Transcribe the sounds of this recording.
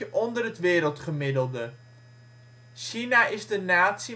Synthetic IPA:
ʔɔndərətʋɪːɾəlˠtχəmɪdəlˠdə | ʃinaʔɪzdənaːtsi

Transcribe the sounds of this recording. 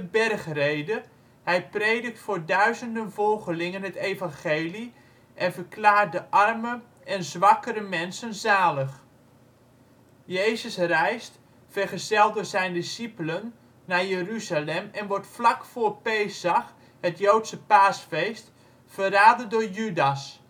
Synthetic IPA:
əbɛrχrejdə | hɛjpreːdək̚tfʊːɹdœɥzəndənvɔlˠχəlɪŋənɦətejvɑnχeːli | ʔɛnvəɹklaːrt̚dəʔɑrmə | ʔɛnzʋɑkəɾəmɛnsənzaːləχ | jejzəsrɛjst | fərχəzɛlˠdʊːzɛjndisipələnː | aːjəryzalɛmɛnʋɔɹtflakfoːrpeːsax | hətjowtsəpaːsfejst | fəraːdədʊːɹjydas

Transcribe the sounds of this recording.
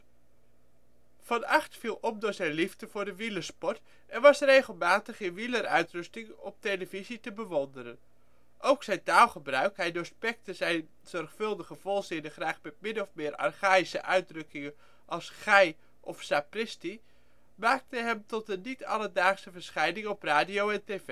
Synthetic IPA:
v̥ɑnɑχtfilˠɔmdʊːɹzɛjnlivdəvʊːɹdəʋiləɹspɔɹt | ɛnʋɑsrejχəlˠmaːtəχɪnʋiləɾœɥtrɵstɪŋɔ̰p̚tejləvizitəbəʋɔndəɾən | ʔowksɛjntaːlˠχəbrœɥkɦɛjdoɹspɛk̚təzɛjn | z̥ɔrχfɵlˠdəχəv̥ɔlˠzɪnəχraːχmɛt̚mɪnɔfmɪːɾɑ̰rχaːisəʔœɥdrɵkɪŋə | ʔɑlˠsχɛj | ʔɔfsaprɪsti | maːk̚təɦɛmtɔt̚dənitɑ̰lədaːχsəvəɹsχɛjnɪŋɔpraːdiowɛnteve

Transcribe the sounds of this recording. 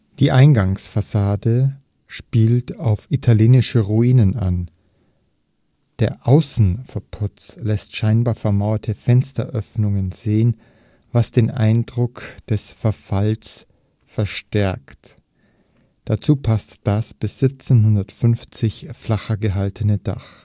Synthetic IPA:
d̥iːʔaɪnɡaŋsfasaːdə | ʃpiːltaʊfʔitʰaljeːnɪʃəʁuiːnənʔa̰n | d̥eːɐʔaʊsn̩fɛɐpʰʊt͡slɛstʃaɪnbaːɐfɛɐmaʊɐtʰəfɛnstɐ̰ʔœfnʊŋənz̥eːən | vasd̥eːnʔa̰ɪndʁʊkd̥ɛsfɛɐfals | fɛɐʃtɛɐkt | d̥at͡suːpʰastd̥asb̥ɪsz̥ɪp̚t͡senɦʊndɐtfʏnft͡sɪçflaχɐɡəɦaltʰənəda̰χ

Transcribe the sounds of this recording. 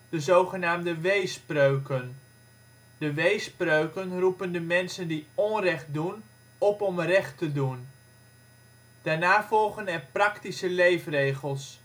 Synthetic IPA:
d̥əzowχənaːmdəʋejsprøɥkən | d̥əʋejsprøɥkənrupəndəmɛnsəndiɔnrɛχt̚dun | ɔpɔmrɛχtədun | d̥aːɹnaːvɔlˠχənɛrprɑktisəlejfrejχəlˠs

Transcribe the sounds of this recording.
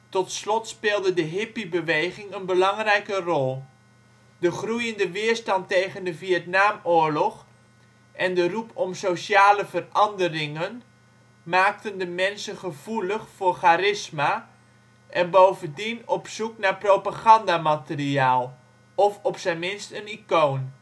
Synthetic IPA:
tɔtslɔtspɪːlˠdədəɦɪpibəʋejχɪŋənbəlɑŋrɛjkərɔlˠ | dəχrujəndəʋɪːəɹstɑntejχəndəviətnaːmʊəɹlɔχ | ʔɛndərupʰɔmsowsaːləvərɑndərɪŋən | maːk̚təndəmɛnsənχəv̥uləχfʊːχaɾɪsma | ʔɛnbowvəndinɔpsuknaprowpaɣɑndamatəriaːlˠ | ɔfɔpsɛmɪnstənikoːn

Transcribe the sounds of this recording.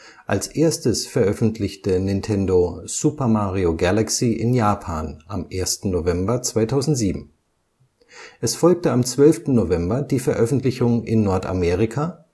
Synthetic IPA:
ʔalsʔeːɐstəsfɛɐʔœfn̩tʰlɪçtənɪntʰɛndoz̥upɐmaːʁioɡalaksiːʔɪnjaːpʰaːnʔamʔeːɐstn̩novɛmbɐt͡sv̥aɪtʰaʊzn̩tz̥iːbm̩ | ʔɛsfɔlk̚təamt͡sv̥œlftn̩novɛmbɐdiːfɛɐʔœfn̩tlɪçʊŋɪnːɔɐta̰meːʁ̞ɪkʰa

